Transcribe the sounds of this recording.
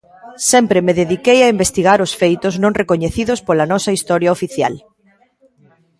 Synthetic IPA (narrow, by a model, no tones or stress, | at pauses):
sɛmpɾemeðeðikejaimbest̪iɣaɾʊsfejt̪ʊznõŋrekoɲeθiðʊspolɐnɔsɐist̪ɔɾjɐofiθja̰l